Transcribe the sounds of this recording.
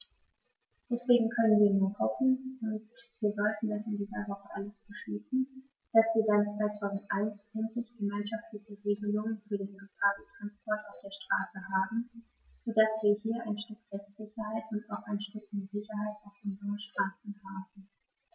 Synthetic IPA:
d̥ɛsv̥eːɡŋ̩kʰœnənviːɐnuːɐhɔfn̩ʊntv̥iːɐzɔltn̩dasɪndiːzɐvɔχəʔaləsb̥əʃliːsn̩ | d̥asv̥iːɐdant͡sv̥aɪtʰaʊzn̩tʔaɪnsɛntlɪçɡ̥əmaɪnʃaftlɪçəʁeːɡəlʊŋənfyːɐdeːnlopʰaːz̩tʁ̥anspʰɔɐtaʊfd̥eːɐʃtʁ̥aːsəɦaːbm̩ | z̥odasv̥iːɐhiːɐʔaɪnʃtʏkfɛstz̥ɪçɐhaɪtʊntaʊxʔaɪnʃtʏkmzɪçɐhaɪtaʊfʔʊnzəʁəʃtʁ̥aːsn̩haːbm̩

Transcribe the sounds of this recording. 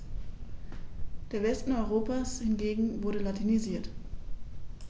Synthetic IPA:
d̥eːɐvɛstn̩ɔʏʁoːpashɪnɡeːɡŋ̩vʊɐɾəlatʰiniziːɐt

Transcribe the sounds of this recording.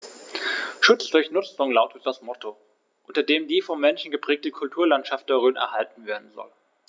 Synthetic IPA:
ʃʊt͡sd̥ʊɐçnʊt͡sʊŋlaʊtət̚d̥asmɔtʰo | ʔʊntɐdeːmdiːfɔmmɛnʃn̩ɡəpʁ̥ɛːk̚təkʰʊltʰuːɐlantʃaft̚d̥ɛːʁøːnʔɛ̰ɐhaltn̩veːɐdn̩zɔ̰l

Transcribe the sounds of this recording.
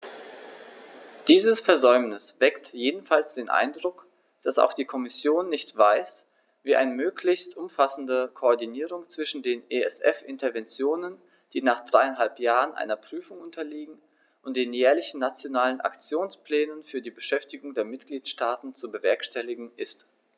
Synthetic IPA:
d̥iːzəsfɛɐzɔʏmnɪsv̥ɛktjeːdn̩falsd̥eːnʔa̰ɪndʁʊk | d̥asa̰ʊxd̥iːkʰɔmɪsjoːnːɪçtv̥aɪs | viːʔa̰ɪnəmøːkʰlɪçstʔʊmfasn̩dəkʰoɔɐdiniːʁ̞ʊŋt͡sv̥ɪʃn̩deːneɛ̰sʔɛ̰fʔɪntɐvɛnt͡sjoːnən | d̥iːnaːχd̥ʁaɪanɦalpjaːʁənʔa̰ɪnɐpʁ̥yːfʊŋʊntʰɐliːɡŋ̩ | ʔʊntd̥eːnjɛːɐlɪçn̩ːat͡sjonaːlənʔa̰kt͡sjoːnsplɛːnənfyːɐdiːbəʃɛftɪɡʊŋdeːɐmɪtɡ̥liːtʃtaːtn̩t͡subəvɛɐkʃtɛlɪɡŋ̩ɪst

